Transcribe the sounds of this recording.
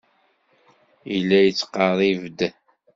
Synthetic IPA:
ilːæjət͡sːqɑrˤivd̪

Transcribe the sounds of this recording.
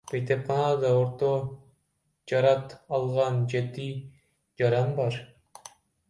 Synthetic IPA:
b̥ejt̪ep̚qʰɑnɑd̪ɑoɾt̪o | d͡ʒɑɾɑt̪ɑlˠʁɑnd͡ʒe̞t̪i | d͡ʒɑɾɑnbɑɾ

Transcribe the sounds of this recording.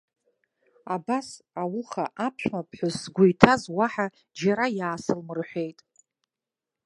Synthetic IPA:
abas | awʊχaʔapʰʃʷᶣmapʰħʷʊzːɡʷʊjtʰazwaħa | d͡ʒaɾajaːsɨlmɨrħʷe̞jtʼ

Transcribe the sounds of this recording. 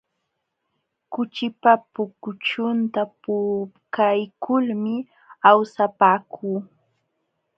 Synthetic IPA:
kʊt͡ʃɪpapʊkʊt͡ʃʊnt̪apʊkajkʰʊlmɪ | awsapaːkʰuː

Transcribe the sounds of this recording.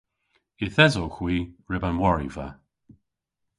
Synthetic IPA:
ɪθɛzoxwiːɹɪbanwɔɹḭva̰

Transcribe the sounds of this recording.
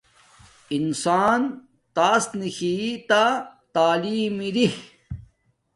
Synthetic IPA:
insaːn | t̪aːsnixiːt̪at̪aːliːmiɾih

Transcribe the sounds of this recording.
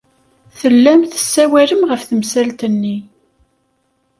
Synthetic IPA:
θəlːæmθə̥sːæwæɾəmʁəfθəmsælt̪ənːi

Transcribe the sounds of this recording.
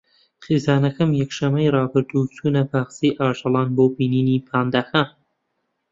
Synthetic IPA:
χizɑːnɐkɐmjɛkʃɐmɐjrɑːbɨɾd̪uːt͡sʰuːnɐpʰaːxsiːʔɑːʒɑlˠɑːnboːbiːniːniːpʰaːnd̪axa

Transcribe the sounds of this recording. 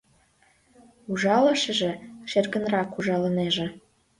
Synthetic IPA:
uʒɑlə̆ʃə̆ʒĕʃerɣə̆nrɑkuʒɑlə̆neʒĕ

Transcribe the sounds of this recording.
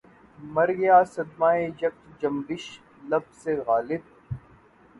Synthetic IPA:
mɐɾɡjaːsɐd̪maːed͡ʒɐk̚t̪d͡ʒɐmbɪʃ | lɐbseɣaːlɪb̚

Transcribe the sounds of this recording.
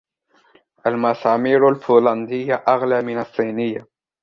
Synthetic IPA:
ʔalmɑsɑːmiːɾʊlfuːlɑnd̪ɪjːaʔaɣlaːmɪnɑsˤːiːnɪjːa

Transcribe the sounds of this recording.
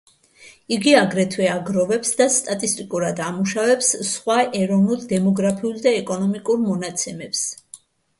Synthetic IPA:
iɡiaɡɾɛt̪ʰwɛaɡɾɔvɛpsd̪ast̪ʼat̪ʼist̪ʼikʼuɾad̪amuʃavɛpssχwaʔɛɾɔvnuld̪ɛmɔɡɾapʰiuld̪aɛkʼɔnɔmikʼuɾmɔnat̪sʰɛmɛps

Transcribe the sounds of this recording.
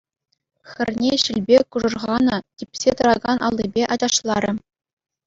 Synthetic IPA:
xʲɘ̆rʲnʲeɕɘlʲbʲekuʐɤ̆rʁɑnɤ̆tʲipʲsʲet̪ɤ̆ɾɑɡɑnʔɑ̰lˠːibʲeʔɑd͡ʑɑʂlˠɑɾʲɘ̆

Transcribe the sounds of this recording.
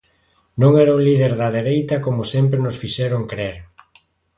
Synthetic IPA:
nõŋɛɾɐuŋliðeɾðɐðeɾejt̪ɐkomʊsɛmpɾenosfiʃɛɾoŋkɾeɾ

